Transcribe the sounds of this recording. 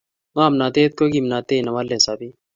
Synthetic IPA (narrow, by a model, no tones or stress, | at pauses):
mãːmnaːt̪eːt̪̚koːɡimnaːt̪eːnɐʋaːlːesaːbi